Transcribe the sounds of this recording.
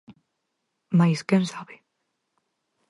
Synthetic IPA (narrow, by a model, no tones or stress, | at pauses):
majskensaβe